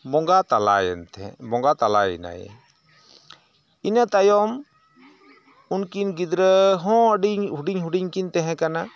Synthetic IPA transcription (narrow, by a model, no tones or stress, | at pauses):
mɔŋɡat̪ala̰jɛ̰nt̪ɛmɔŋɡat̪ala̰ḭna̰jɛ̰ | inat̪ajɔm | unkinɡid̪ɾəɦɔ̃əɖiɲɦuɖiɲɦuɖiɲkint̪ɛɦɛ̃kana